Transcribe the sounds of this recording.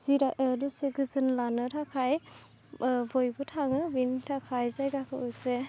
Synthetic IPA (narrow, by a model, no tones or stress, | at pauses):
z̥iɾaʔəduseɡɯzɯnlanɯtʰakʰaj | bɔjbɔtʰaŋɯbintʰakʰajzajɡakʰɯuse